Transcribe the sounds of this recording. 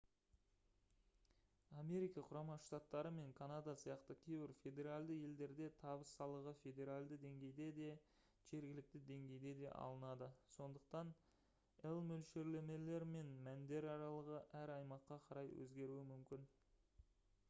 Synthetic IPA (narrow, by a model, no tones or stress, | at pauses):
ame̞ɾijkɑqʰʊɾɑmɑʃt̪ɑt̪ːɑɾəme̞ŋkʰanad̪ɑsəjɑqt̪əkʲʰe̞jbɪɾfʲe̞d̪e̞ɾalʲd̪əje̞ld̪e̞ɾd̪e̞t̪ʰɑbəsːɑlˠəʁəfe̞d̪e̞ɾalʲd̪əd̪e̞ŋɡʲe̞jd̪e̞d̪e̞ | ʒ̥e̞ɾɡʲɪlɪk̚t̪ɪd̪e̞ŋɡʲe̞jd̪e̞d̪e̞̰ʔɑ̰lˠənɑd̪əso̞nd̪əq̚t̪ɑn | elˠmɵlʃe̞ɾle̞me̞le̞ɾme̞nmænd̪e̞ɾɑɾɑlˠəʁəʔæɾɑjmɑqːɑqʰɑɾɑjwɵ̰zɡʲe̞ɾuwɪmʏmkʲɪn